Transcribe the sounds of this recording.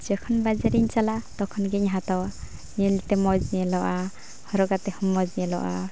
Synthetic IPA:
d͡ʒɛkʰɔnbad͡ʒaɾiɲt͡ʃalat̪ɔkʰɔnɡɛɲɦat̪ɔwa | ɲɛlt̪ɛmɔd͡ʒnɛlɔʔa | hɔɾɔɡat̪ɛhɔmɔd͡ʒnɛlɔ̰ʔa̰

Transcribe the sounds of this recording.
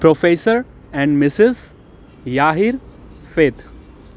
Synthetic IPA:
pɾofeːsəɾ | ɛ̃ɳɖmɪsɪz | jaːɦiɾ | feːt̪

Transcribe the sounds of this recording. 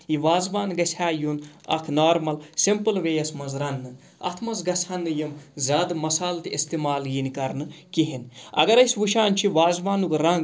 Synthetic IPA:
jiʋaːzbaːnɡɐsʰʲaːjunɐ̰kʰnaːɾmɐlsimpɨlʋeːjɐsmɐzɾɐnːɨ | ɐ̰t̪ʰmɐzɡɐsʰʲɐnːɨjɐmzʲaːd̪ɨmɐsaːlt̪iist̪imaːlɡiːnkɐɾnɨkiɦinɐ̰ɡɐɾɐjsʲʋuʃaːnt͡ʃʰiʋaːzbaːnukɾɐŋɡ

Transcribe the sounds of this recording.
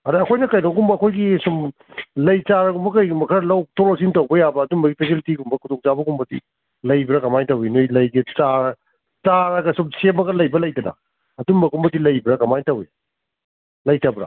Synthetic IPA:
ɐɾɐɐkʰojnɐkɐjnɐwɡumbɐːkʰojɡisum | lɐjt͡ʃaɾɐɡumbɐkɐjɡumɐkʰɐɾɐlɐw̚tʰoɾos̬intɐwbɐjabɐːdumbɐɡipʰesilitiɡumbɐkʰudɔŋt͡ʃabɐɡumbɐdḭ | lɐjbɾɐkɐmajtɐwinojlɐjɡit͡ʃaɾ | t͡ʃaɾɐɡɐsumsemɐɡɐlɐjbɐlɐjdɐnɐ̰ | ɐdumbɐɡumbɐdilɐjbɾɐkɐmajtɐwi | lɐjtɐbɾɐ̰

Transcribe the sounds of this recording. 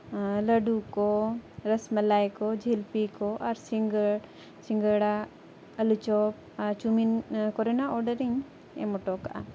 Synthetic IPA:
ləɖukɔɾəsmɛlajkɔd͡ʒʱilpikɔʔaɾsiŋɡəɽ | siŋɡəɽa | əlut͡ʃɔp̚ | aɾt͡ʃuminkɔɾɛnaɔɾɖəɾiɲ | ɛ̰mɔʈɔkaʔa

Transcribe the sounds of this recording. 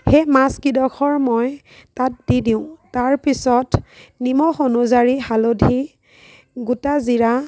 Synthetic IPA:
xemaskidɔkʰɔɹmɔj | tat̚didiʊ̃taɹpisɔtnimɔxonuzaɹihalodʱi | ɡutaziɹa

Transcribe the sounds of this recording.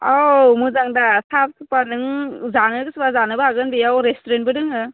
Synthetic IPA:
amuzaŋdasap̚sʰɯpanɯŋzanɯɡɯsɯbazanɯbɯaɡɯnbijawɾestuɾentbɯdɯŋɯ

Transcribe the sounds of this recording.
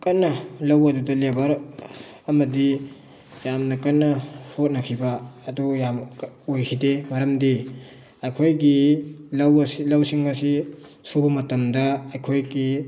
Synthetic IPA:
kɐnːɐlɐwɐdudɐlebɐɾ | ɐmɐdi | jamnɐkɐnːɐhot̚nɐkʰibɐːdujamojkʰidemɐɾɐmdi | ɐjkʰojɡilɐwɐsilɐwsiŋɐsisubɐmɐtɐmdɐɐjkʰojɡi

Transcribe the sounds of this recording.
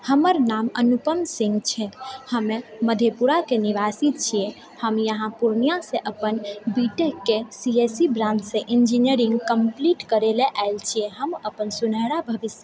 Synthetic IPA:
həməɾnamə̰nupəmsĩŋɡt͡ʃʰɛhəmeməd̪ʱepuɾakeniʋasit͡ʃʰije | həmjəɦãpuɾnijaseʔəpənbiʈəkːesiesibɾãnd̪sẽʔind͡ʒiniəɾĩŋɡkəmpliʈkəɾeleʔaelt͡ʃʰijɛɦəməpənsunəɦɾabʱəbisjə

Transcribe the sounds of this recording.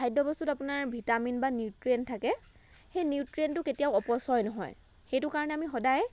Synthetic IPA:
ajdɔbɔstutapunaɹbʱitaminbanjutɹentʰakɛ | xejniutɹentʊketijaʊɔpɔsɔjnɔɦɔ̰j | xejtʊkaɹɔnɛamixɔdaj

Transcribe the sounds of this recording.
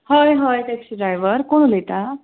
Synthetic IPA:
hojɦəjʈeksiɖɾajʋəɾkoɽ̃ulet̪a

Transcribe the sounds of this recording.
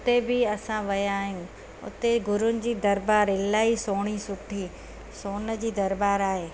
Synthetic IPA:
ʊt̪ebɪɐsãʋɐjaːɦjũ | ʊ̰t̪eɡʊɾʊnɪ̆d͡ʑiːd̪ɐɾbaːɾɪlaːisoːɽ̃isʊʈʰiː | soːnə̆d͡ʑiːd̪ɐɾbaːɾaːɦeː

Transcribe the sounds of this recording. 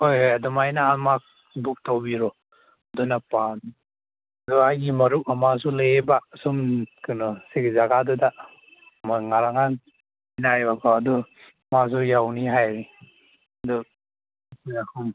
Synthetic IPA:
hojojadumajnaːmak̚ | buk̚tawbiɾɔ | dunapan | aduajɡimɐɾuk̚amas̬ulaebasumkɯnɔsekzaɡaduda | maŋaɾaŋan | inajbakʰɔːdu | mas̬ujawniɦajɾi | ɐdu | kujakʰum

